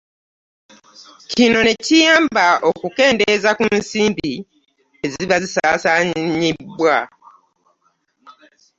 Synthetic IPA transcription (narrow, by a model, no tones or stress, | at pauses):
cino̞ne̞cijaːmbaʔo̞kuke̞ːndezakunsiːmbi | e̞ziβazisaːsaːɲibwa